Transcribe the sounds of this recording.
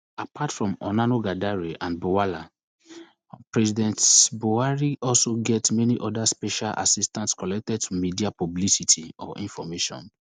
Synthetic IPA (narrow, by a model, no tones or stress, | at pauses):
apʰatfɹɔ̃mɔ̰nanoɡadaɹiʔãnbowala | pɹɛzidɛ̃ntbowaɹiʔɔlsoɡɛtmɛniʔɔdaspɛʃalʔa̰sistãntskɔlɛk̚tɛd̚tumidiapɔblisitʰiɔ̰ʔḭ̃nfɔmeʃɔ̰̃n